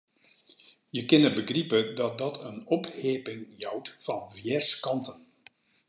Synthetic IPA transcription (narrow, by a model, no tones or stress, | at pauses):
jəkɪnəbəɡripədɑt̚dɑtʰənɔphɪːpɪŋjɑwtfɑnvjɛrskɑntən